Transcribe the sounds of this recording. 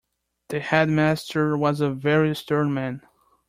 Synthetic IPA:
ðɨhɛd̚mæstʰə˞wʌzəvɛɹistɜ̃ɹnmæ̃n

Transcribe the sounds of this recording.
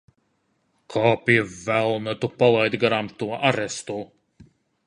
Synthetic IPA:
kʰɔːpivælˠnət̪upalˠajd̪ɡaɾamt̪uɔʔaɾɛst̪u

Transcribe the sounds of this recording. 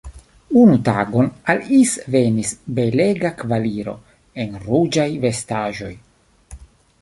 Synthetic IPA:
unuta̰ɡo̞nalisve̞nisbe̞le̞ɡakvaliɾo̞̰ | e̞nɾud͡ʒajve̞staʒo̞j

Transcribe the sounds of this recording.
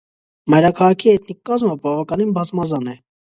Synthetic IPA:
mɑjɾɑkʰɑʁɑkʰiɛt̪nikːɑzməbɑvɑkɑninbɑzmɑzɑnɛ

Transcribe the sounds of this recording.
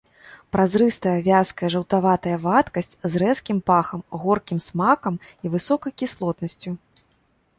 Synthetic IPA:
pɾazɾɨst̪ɐjɐvʲaskɐjɐʐɐwt̪avat̪ɐjɐvat̪kɐsʲt͡sʲzrɛskʲimpaxɐmɣɔrkʲimsmakɐmivɨsɔkɐjkʲislˠɔt̪nɐsʲt͡sʲu

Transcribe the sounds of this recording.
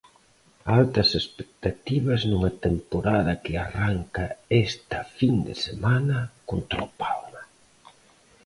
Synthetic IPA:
alt̪ɐsespek̚t̪at̪iβɐznuŋɐt̪empoɾaðɐkɪaraŋkaest̪ɐfind̪ḛsemanɐkont̪ɾopalmɐ

